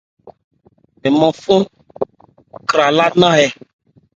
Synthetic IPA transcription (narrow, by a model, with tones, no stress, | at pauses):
e˨mɔ̃˨fo˦ | kɾa˨la˦nã˦ɦɛ˨